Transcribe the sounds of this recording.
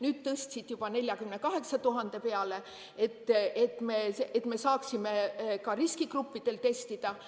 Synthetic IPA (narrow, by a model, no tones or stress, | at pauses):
nyːd̪̥t̪ɤst̪ʲsit̪jub̥ɑne̞lʲjɑkymne̞kɑɦe̞ksɑt̪uɦɑnd̪̥e̞pe̞ɑle̞ | et̪ːet̪ːˑmeseet̪me̞sɑːksime̞kɑɾiskikrupˑːid̪̥e̞lt̪e̞st̪id̪̥ɑ